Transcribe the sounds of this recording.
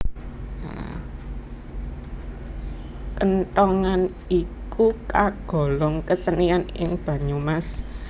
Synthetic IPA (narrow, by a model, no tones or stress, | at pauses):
a̰ | kənt̪ɔŋan | ikukaɡ̥ɔ̤lɔŋkəsənianɪ̰ŋb̥ä̤ɲumas